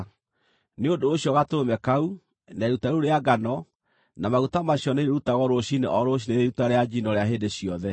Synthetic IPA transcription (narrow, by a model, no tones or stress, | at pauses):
neodoːɕjɔɣatomɛkau | naeɾutaɾuɾeaɡanɔ | namaɣutamaɕjɔneɾeɾutaɣɔɾoɕineʔɔɾoɕ̬ineɾeɾutaɾead͡ʑinɔɾeaɦeːdeɕiɔðɛ